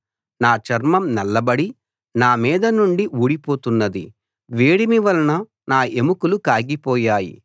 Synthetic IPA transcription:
naːt͡ʃɐɾmɐmnɛlːɐbɐɽi | naːmiːd̪ɐnuɳɖiʔuːɽipoːt̪unːɐd̪ḭ | ʋeːɽimiʋɐlɐnɐ | naːemukulukaːɡipɔːjaːjḭ

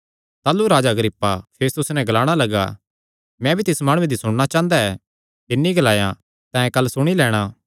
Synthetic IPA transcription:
t̪aːluɾaːd͡ʒaɐɡɾɪpːapʰeːst̪ʊsnɛ̃ɡɐlaːɽ̃alɐɡa̰ | mɛ̃bʱit̪ɪsmaːɽ̃ũed̪isʊɽ̃ɽat͡ʃãːə̃nd̪aɛ | ɪnːiɡɐlaːjã̰ | t̪ɛ̃ːkɐlːsʊɽ̃ilɛːɽ̃aː

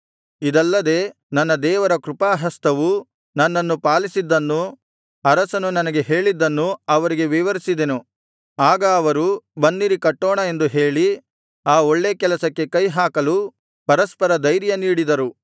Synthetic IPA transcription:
id̪ɐlːɐd̪e̞ː | nɐnːɐd̪ɛːʋɐɾɐkɾupaːɦɐst̪ɐʋu | nɐnːɐnːupaːlisid̪ːɐnːu | ɐɾɐsɐnunɐnɐɡe̞ɦe̞ːɭid̪ːɐnːuɐʋɐɾiɡe̞ʋiʋɐɾisid̪enu | aːɡɐːʋɐɾubɐnːiɾikɐʈːɔːɳɐe̞nd̪uɦe̞ːɭi | aːoɭːeːkɛlɐsɐkːe̞kɐjɦaːkɐlu | pɐɾɐspɐɾɐd̪ɐjɾjɐniːɽid̪ɐɾu

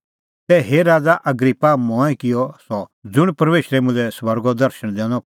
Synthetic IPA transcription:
tɛɦeɾaːd͡zaʔɐɡɾipːamɔ̃ːɛ̃kɪjɔsɔd͡zʊɽ̃pɾʋeːʃɾɛmʊ̃nd͡zɛswɐɾɡɔd̪ɐɾʃəɽ̃d̪ɛ̃ːnɔ

